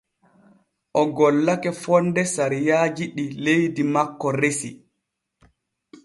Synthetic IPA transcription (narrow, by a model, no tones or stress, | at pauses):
ʔɔɡɔlːakɛfɔndɛsaɾijaːd͡ʒiɗilejdimakːɔɾesḭ